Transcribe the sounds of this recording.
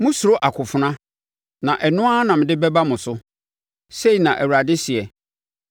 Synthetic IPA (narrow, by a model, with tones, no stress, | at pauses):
mʊ̃˦su˨ɾo˦ʔa˨kʰʊ˨fʊ˨nã˦ | nã˨ʔɛ˨nʊ̃˦a˦nã˨mɪ̃˨dɪ˦bɛ˦ba˦mʊ̃˨sʊ˦ | se˦i˨nã˨ʔæ̰˨wu˨ɾa˨dɪ˦sɪ˨ɛ˨